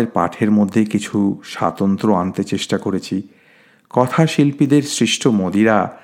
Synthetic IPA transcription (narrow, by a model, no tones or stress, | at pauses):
eɾpa̰ʈʰeɾmod̪ʱːekit͡ɕʰuʃa̰t̪ont̪ɾoant̪et͡ɕeʃʈakoɾet͡ɕʰi | kɔt̪ʰaʃilpid̪eɾsɾiʃʈʰomod̪iɾa